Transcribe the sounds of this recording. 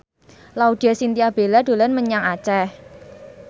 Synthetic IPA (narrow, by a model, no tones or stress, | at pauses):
laud̪̥asint̪iab̥e̤lad̥̪o̤lanməɲaŋat͡ʃɛh